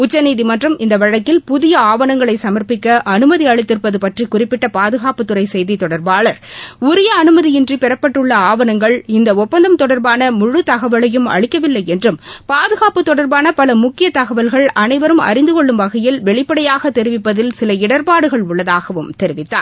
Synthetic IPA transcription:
ʊt͡ʃːɐniːðimɐndrɐmɪnd̪ɐʋɐɻɐkːɪlpʊðɪjɐaːʋɐnɐŋɡɐɭɐɪsɐmɐɾpɪkːɐʔɐnɯmɐðiɐɻɪt̪ːɪɾpːɐðɯpɐʈrikʊrɪpːɪʈːɐpaːðɯɣaːpɯt̪ːɯɾɐɪsɛjðit̪ɔɽɐɾbaːɭɐɾʊɾɪjɐːnɯmɐðijɪndripɪɾɐpːɐʈːɯɭːɐaːʋɐnɐŋɡɐɭɪnd̪ɐɔpːɐnd̪ɐmt̪ɔɽɐɾbaːnɐmʊɻɯt̪ɐɣɐʋɐɭɐjɯmɐ̰ɭɪkːɐʋɪlːɐɪɛndrɯmpaːðɯɣaːpɯt̪ːɔɽɐɾbaːnɐpɐlɐmʊkːɪjɐt̪ɐɣɐʋɐlɣɐɭɐnɐɪʋɐɾɯmɐ̰ɾɪnd̪ɯkɔɭːɯmʋɐɣɐjɪlʋɛɭɪpːɐɽɐjaːɣɐt̪ɛɾɪʋɪpːɐðɪlsɪlɐɪɽɐɾpaːɽɯɣɐɭʊɭːɐðaːɣɐʋɯmt̪ɛɾɪʋɪt̪ːa̰ːɾ

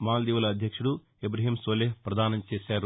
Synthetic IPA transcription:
maːld̪iːʋuɐlɐːd̪ʱjɐkʂuɽu | ebɾɐɦiːmsoːleːhpɾɐd̪aːnɐmt͡ʃeːsaːɾu

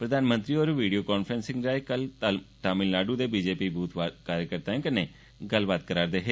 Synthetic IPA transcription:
pɾəd̪aːnmə̃nt̪ɾiːoːɾʋiːɖioːkaːnfʰɾənsɪ̃ŋɡɾaːeːkəlʈaːmɪlnaːɖuːd̪eːbiːd͡ʒeːpiːbuːt̪akaːɾjəkəɾt̪ãːẽːkəneː | ɡəlbaːt̪̚kəɾaːɾd̪eːɦeː

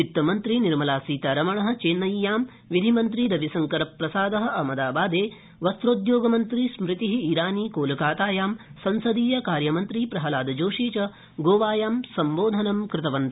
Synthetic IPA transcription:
it̪ːɐmɐnt̪ɾiniɾmɐlaːsiːt̪aːɾɐmɐɳɐɦɐ̆t͡ʃeːnːɐjːaːm | ʋid̪ʱimɐnt̪ɾid̪ɐʋisɐŋkɐɾɐpɾɐsaːd̪ɐɦɐ̆ɐmɐd̪aːbaːd̪eː | ʋɐst̪ɾoːd̪joːɡɐmɐnt̪ɾismɾɪt̪iɦiiɾaːniːkoːlɐkaːt̪aːjaːmsɐnsɐd̪iːjɐkaːɾjɐmɐnt̪ɾipɾɐɦɐlaːd̪ɐd͡ʒoːʂiːt͡ʃɐ | ɡoːʋaːjaːmsɐmboːd̪ʱɐnɐmkɾɪt̪ɐʋɐnt̪ɐ

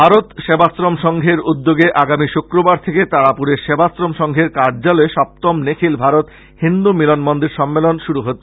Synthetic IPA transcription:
bʱaɾot̪ʃebʱasɾomʃɔŋɡʱeɾud̪ːoɡeʔaɡamiʃukɾobaɾt̪ʰeket̪aɽapuɾeɾʃebʱasɾomʃɔŋɡʱeɾkaɾd͡ʑalɔeʃɔp̚t̪omnekʰilbʱaɾot̪ | hind̪umilonmond̪iɾʃɔmːelonʃuɾuɦot̪

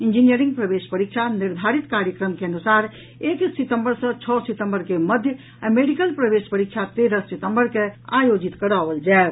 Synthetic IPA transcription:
ind͡ʒinijəɾĩŋɡ̚pɾəbeʃpəɾikʃʰaniɾd̪ʱaɾit̪kaɾjəkɾəmkeənusaɾ | eksit̪ə̃mbəɾsə̃t͡ʃʰɔsit̪ə̃mbəɾkeməd̪ʱjə | ameɖikəlpɾəbespəɾikt͡ʃʰat̪eɾəssit̪əmbəɾkea̰jod͡ʒit̪kəɾaʋəld͡ʒae

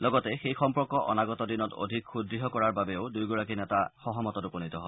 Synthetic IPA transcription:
lɔɡɔtɛxejxɔmpɔɹkɔʔɔ̰naɡɔtɔdinɔto̰dʱikxudɹiɦɔkɔɹaɹbabɛʊdujɡɔɹakinɛtaxɔɦɔmɔtɔtuponitɔɦɔ

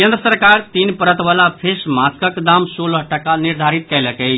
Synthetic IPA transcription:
kend̪ɾəsəɾkaɾt̪inpəɾət̪bəlapʰesmaskəkd̪amsolɦʈəkaniɾd̪ʱaɾit̪̚kɛləkəj

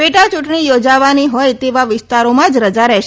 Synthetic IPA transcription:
beʈat͡ʃuʈɳijod͡ʒaʋaniɦojt̪eʋaʋɪst̪aɾomãd͡ʒɾəd͡ʒaɾɛʃ

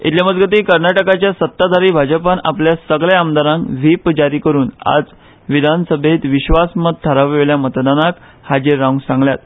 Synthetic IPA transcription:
it̪ljaməd͡zɡət̪̬iːkəɾnaʈəkat͡ɕjasət̪ːad̪ʱaɾiːbʱad͡ʑəpana̰pljasəɡɭjaamd̪ʱaɾãŋkʋipd͡ʑaɾiːkəɾuːna̰d͡z | ʋid̪ʱansəbʱet̪ʋiɕʋasmət̪̚t̪ʰːaɾaʋʋeljamət̪d̪anak | had͡ʑiɾːaũŋɡsãŋɡljat̪

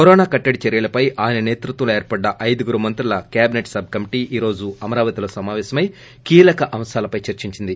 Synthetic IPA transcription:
koɾɔːnaːkɐʈːɐɽit͡ʃɐɾijɐlɐpɐjʔaːjnɐneːt̪ɾut̪ʋɐleːɾpɐɖːɐʔɐjd̪ɐɡuɾumɐnt̪ɾulɐkjaːbineʈsɐb̚ʱkɐmiʈiːʔiːɾo̞ːd͡ʒuɐmɐɾaːʋɐt̪iloːsɐmaːʋɛːsɐmɐj | kiːlɐkɐʔɐmsaːlɐpɐjt͡ʃɐɾt͡ʃiɲt͡ʃind̪i

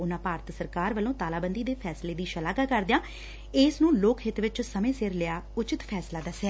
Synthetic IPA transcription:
ʊnãːpaːɾt̪səɾkaːɾʋəlõːt̪aːlaːbənd̪iːd̪eːpʰɛːsleːd̪iːʃəlaːkaːkəɾd̪ɪjãː | ɪsnũːloːkɦɪt̪ʋɪt͡ʃsəmẽːsɪɾlɪaːʊt͡ʃɪt̪pʰɛːslaːd̪aːsɛː

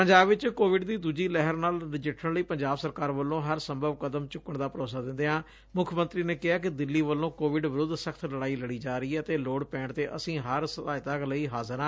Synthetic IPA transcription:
pəɲd͡ʒaːbʋɪt͡ʃkoːʋɪɖd̪iːd̪uːd͡ʒiːlɛɦəɾnaːlɾɪd͡ʒɪʈʰəɳləiːpəɲd͡ʒaːbsəɾkaːɾʋəlːõːɦəɾsəmbʱəʋkəd̪əmt͡ʃʊkːəɳd̪aːpəɾoːsaːd̪ɪ̃nd̪eːɦãː | mʊkʰːmə̃nt̪ɾiːneːkɪaːk̬ɪd̪ɪlːiːʋəlːõːkoːʋɪɖʋɪɾʊd̪səkʰt̪ʰləɽaːiːləɽiːd͡ʒaːɾəiːɛːət̪eːloːɽpɛ̃ːɳt̪eːʔəsĩːɦəɾsət̪aːɪt̪aːkləiːɦaːzəɾãː

